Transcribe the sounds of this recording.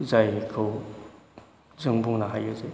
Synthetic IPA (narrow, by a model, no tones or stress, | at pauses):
zajkʰɯw | zɯŋbuŋnaɦajazaj